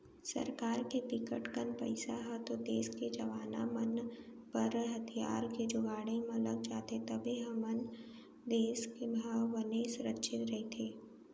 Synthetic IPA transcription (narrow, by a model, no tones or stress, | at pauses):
sɐ̰ɾkaːɾkepɪkəʈkənpɐ̰ɪsaɦɐt̪od̪eːsked͡ʒɐʋaːna̰mən | pɐɾɦɐt̪ʰija̰ːɾked͡ʒʊɡaːɽẽmləɡ̚t͡ʃaːt̪et̪ɐbʱiɦɐmən | d̪eːskebʱaːwːəneːsʊɾətːʃʰɪt̪ɾɐɦet̪ʰeː